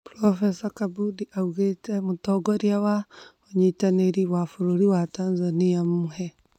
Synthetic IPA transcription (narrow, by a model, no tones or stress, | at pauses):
pɾɔfesakabudiʔauɣetemutɔɡɔɾjawaoɲitaneɾiwafuɾuɾiwataːnzaniammuhɛ